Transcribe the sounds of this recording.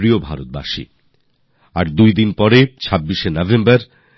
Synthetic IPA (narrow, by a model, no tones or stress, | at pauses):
ɾiobʱaɾot̪̚ba̰ʃḭ | aɾd̪ujd̪inpɔɾet͡ɕʰabːiʃenɔvembaɾ